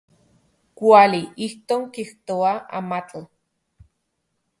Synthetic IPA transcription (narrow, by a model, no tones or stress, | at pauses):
kʷaliihkoːŋkiht̪oaa̰mat͡ɬa